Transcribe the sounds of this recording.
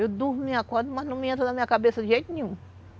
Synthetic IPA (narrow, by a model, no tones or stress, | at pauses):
ewd̪ummĩakɔɾd̪ʊmɐznɐ̃miẽnt̪ɾɐnɐmĩɲɐkabesɐd̪ɪʒejt̪ʊnẽɲũ